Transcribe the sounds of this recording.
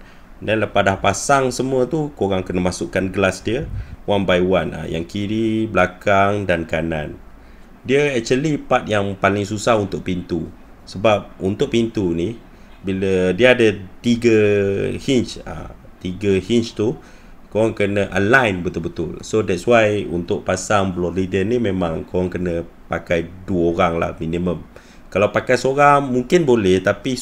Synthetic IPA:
dɛnləpadahpasaŋsəmũət̪ukoɾaŋkənəmasʊʔkanɡəlasdiəwanbajwanə̰ja̰ŋkiɾiblakaŋdankanã̰n | diəɛk̚t͡ʃuəlipat̪̚jaŋpalɪŋsusahunt̪ʊʔ̚pint̪u | səbap̚unt̪ʊʔ̚pint̪uni | bilədiəadət̪iɡəhint͡ʃa̰ | t̪iɡəhint͡ʃt̪u | kowaŋkənəʔə̰nlajnbət̪ʊlbət̪ʊ̰lsodɛt̚swajṵnt̪ʊʔ̚pasaŋblɔlidənimẽmãŋkowaŋkənə̃pakajduəoɾaŋla̰hminĩmə̃m | kalawpakajsoɾaŋmuŋkɪnbolɛht̪api

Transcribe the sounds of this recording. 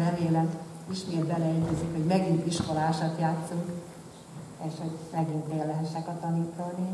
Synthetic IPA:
nɛveːlɛn | iʃmeːd̪̚bɛlɛɛɟɛzikho̞ɟmɛɡint̪iʃko̞laːʃɒt̪jaːt̪suŋk | eːʃho̞ɟmɛɡint̪ʋelːɛɦɛʃɛkɒt̪ɒniːt̪ɔni

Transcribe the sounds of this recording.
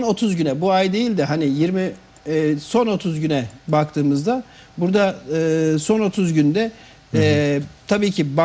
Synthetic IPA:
no̞t̪ʰuzɟynɛbuajd̪e̞jilʲd̪ɛɦanɪjiɾmi | so̞no̞t̪ʰuzɟynɛbakt̪ʰɯːmɯzd̪a | buɾd̪aɯːso̞no̞t̪ʰuzɟynd̪ɛ | t̪ʰabiːcʰiba

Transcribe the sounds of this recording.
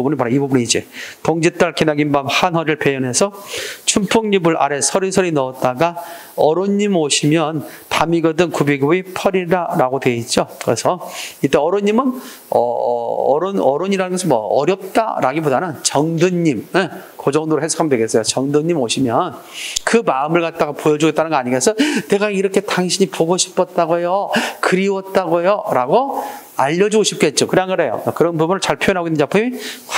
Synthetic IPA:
ubunipaɾaibubuniid͡ʑetoŋd͡ʑit͈aɭkinaɡinbamhanɦʌɾɯɭpejʌne̞sʰʌt͡ɕʰumpʰuŋɲibɯɾʔa̰ɾe̞sʰʌɾisʰʌɾinʌːt̚t͈aɡa | ʌɾoɲːimoɕʰimjʌn | pamiɡʌdɯnkubiɡoipʰʌɾidaɾaɡodwe̞it̚t͡ɕ͈okɯɾe̞sʰʌit͈ːe̞ʌɾoɲːimɯn | ʌ | ɾonʌɾoɲiɾanɯnɡʌsʰɯnmʌʌɾjʌp̚t͈a̰ɾaɡibodanɯnt͡ɕʌŋdɯɲːimekod͡ʑʌŋdoɾoɦesʰokʰamjʌdweɡes͈ʌjot͡ɕʌŋdɯɲːimoɕʰimjʌn | kɯmaɯmɯɭkat̚t͈aɡapojʌd͡ʑuɡet͈anɯnɡʌaɲiŋɡesʰʌne̞ɡaiɾʌkʰe̞taŋɕʰiɲipoɡoɕʰi̥pʰʌt̚t͈aɡojokɯɾiwʌt̚t͈aɡojoɾaɡo | aʎːʌd͡ʑuɡoɕʰip̚k͈e̞t̚t͡ɕ͈okɯɾaŋɡɯɾe̞jo̰kɯɾʌnpubunɯɭt͡ɕaɭpʰojʌnaɡoinːɯnd͡ʑapʰɯi

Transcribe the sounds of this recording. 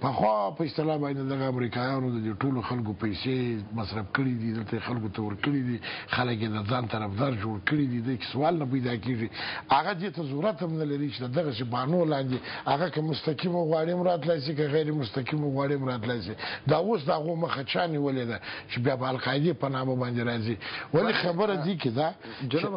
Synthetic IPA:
pəxwɑpəɪst̪ɪlɑbɑnd̪ed̪ed̪aɣaːmɾikɑjɑnod̪əd̪eʈoloxalkopajsemasɾab̚kəɽid̪id̪əlt̪ajexalkot̪awəɾkəɽid̪ixaləkjed̪əzɑnt̪aɾafd̪ɑɾd͡ʒoɽkəɽid̪id̪əjke̥sawɑlnap̬ajd̪ɑkeʐiaɣad̪et̪azuɾat̪amnalaɾit͡ʃed̪əd̪aɣasebɑnolɑnd̪eaɣakamʊst̪aqimaɣwɑɽimɾɑt̪lajs̬ik̬əɣajɾemʊst̪aqimoɣwɑɽimɾɑt̪lajsid̪ɑwos̬d̪əaɣoməxat͡ʃɑniwəled̪at͡ʃebjɑpəalqɑɪd̪epənɑmabɑnd̪eɾɑziwalixabəɾad̪iked̪at͡ʃe

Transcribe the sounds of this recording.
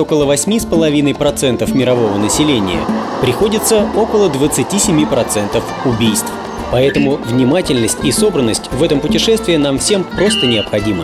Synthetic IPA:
o̞kəlˠəvɐsʲmʲispəlˠɐvʲinəjpɾɐt̪sɛnt̪əfmʲɪɾɐvo̞vənəsʲɪlʲenʲɪ̰jə̰ | pɾʲɪxo̞dʲɪt̪səo̞kəlˠəd̪vət̪sɨtʲisʲɪmʲipɾɐt̪sɛnt̪əf | ʊbʲijst̪f | pɐɛt̪əmʊvnʲɪmatʲɪlʲnəsʲtʲiso̞bɾənːəsʲtʲvɛt̪əmpʊtʲɪʂɛst̪vʲɪɪnamfsʲe̞mpɾo̞st̪ənʲɪɐpxɐdʲimə

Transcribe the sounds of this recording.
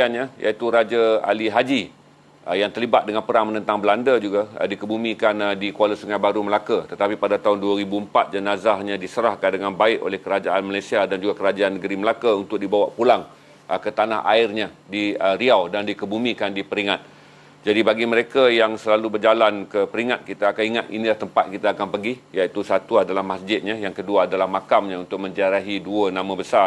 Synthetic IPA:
anɲajʔa̰it̪uɾad͡ʒaa̰liɦad͡ʒi | jaŋt̪ərlibat̪̚dəŋanpəɾaŋmənə̃nt̪aŋbəlandəd͡ʒuɡa̰dikəbumĩkandikualəsuŋajbaɾuməlakət̪ət̪apipadat̪aɦʊnduwaɾibuəmpat̪̚d͡ʒənazahɲãdisəɾahkandəŋanbaɪʔo̰lɛhkəɾad͡ʒaanmalajsiadand͡ʒuɡakəɾad͡ʒaanːəɡəɾiməlakaunt̪ʊk̚dibawaʔpulaŋ | ʔəkət̪anaɦʔa̰ɪrɲã | diəɾiawdandikəbumĩkandipəɾiŋat̪̚ | d͡ʒadibaɡiməɾekajaŋsəlalubərd͡ʒalankəpəɾiŋat̪̚kit̪aːkaniŋat̪ḭnilaht̪əmpat̪̚kit̪aːkanpəɡijait̪usat̪uadalahmasd͡ʒɪt̪̚ɲajaŋkəduaːdalahmakamɲãunt̪ʊk̚mə̃ɲd͡ʒaɾaɦiduənãmãbəsa

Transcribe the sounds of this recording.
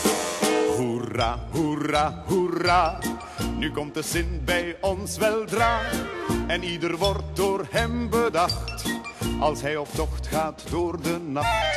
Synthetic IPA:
uraɦuraːɦuraː | nykɔmt̚dəzɪnbɛjɔnsʋɛlˠdraː | ɛnidərʋɔrt̚dʊːrɦɛmbədɑxtʔɑlˠsɦɛjɔptɔχtχaːtdʊːrdənɑxt

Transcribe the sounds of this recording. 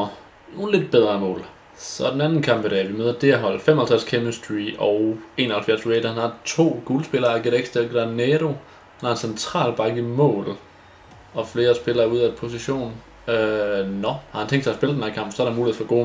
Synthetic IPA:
no̝ːn̩le̝d̥̚b̥eð̞ˠʁɐːmɔ̰ːl | sɒ̽d̥enænn̩kʰɑ̈m̰b̥eɾ̥ɛ̰ʋimøð̞ˠɐd̥eæɦɒ̽l̰̥fem̰ɒhælt͡sʰʁa̰skʰemesd̥ʁḭɒʊe̝ːnɐhælfæɐsʋeːd̥ɐhænɑ̈t͡sʰo̝̰ːɡ̥ulsb̥e̝lɐːæɡ̥eɾeɡ̥sd̥elɡ̥ʁɑnɛɾo̝ | hænhɑ̈ensent͡sʰʁɑ̰̈ːlb̥ɑ̈ɡ̥əmɔ̰̽ːl | ɒ̽fle̝ːɐsb̥e̝lɐːuð̞ˠæ̥pʰo̝s̬iɕo̝̰ːn | ønɒhɑ̈hænt͡sʰeŋd̥sɑɐsb̥elədenhæɐkʰɑ̈m̰b̥sɒɐɾemuːliḛfɒɡ̥o̝ː

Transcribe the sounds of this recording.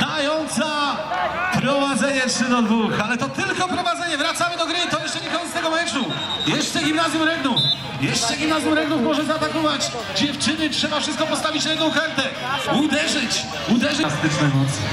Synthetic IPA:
t̪ajɔnt̪sa | pɾɔvad̪zɛɲɛtʂɘd̪ɔd̪vuxalɛt̪ɔt̪ɪlkɔpɾɔvad̪zɛɲɛvɾat̪samɘd̪ɔɡɾɘt̪ɔjɛʂt͡ʂɛɲɛkɔɲɛt̪st̪ɛɡɔmɛt͡ʂu | jɛʂt͡ʂɛɡʲimnazʲjumɾɛd̪nuf | jɛʂt͡ʂɛɡʲimnazjumɾɛnd̪nufmɔʐɛzaːt̪akɔvad͡ʑ | d͡ʑɛft͡ʂɘnɘtʂɛbafʂɨst̪̚kɔpɔst̪avʲit͡ɕɾɛd̪nɔ̃w̃kaɾt̪ɛ | ud̪ɛʐɘt͡ɕ | ud̪ɛʐɘst̪ɘt͡ʂnɛjmɔt̪sɛ̰

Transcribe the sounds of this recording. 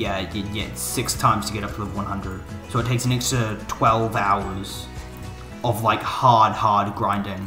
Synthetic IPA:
jæɨt̚ɡɛtsɪkstʰãɪ̃mz̥tʰəɡɛɾʌpʰlʌvwʌ̃nhʌ̃ndɹɨd̥soʊtʰeɪksɨnɛkstɹətʰw̥ɛlˠvaʊə˞z̥ | ʌvlaɪkhɑɹd̚hɑɹd̚ɡɹãɪ̃ndɪ̃ŋ

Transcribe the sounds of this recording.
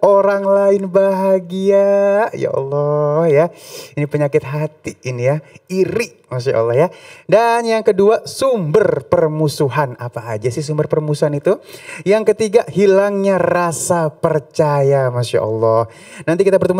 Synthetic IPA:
oɾaŋlaɪnbaɦaɡiaja̰ʔɑ̰lːɔhjainipəɲakɪt̪̚ɦat̪iːnijaiɾɪʔmaʃ̬a̰ʔɑ̰lːɔhjadanjaŋkəduasumbərpərmusuɦanapa̰ːd͡ʒasɪhsumbərpərmusuɦanit̪ujaŋkət̪iɡahilaŋɲarasapərt͡ʃajamaʃa̰ʔɑ̰lːɔh | nant̪̬ikit̪abərt̪əm

